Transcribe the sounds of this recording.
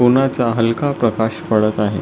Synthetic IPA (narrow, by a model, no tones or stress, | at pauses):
unat͡saɦəlkapɾəkaɕfəɭət̪aɦe